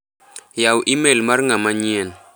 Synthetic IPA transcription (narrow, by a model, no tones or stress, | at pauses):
jawʔimelmarŋamaɲɛn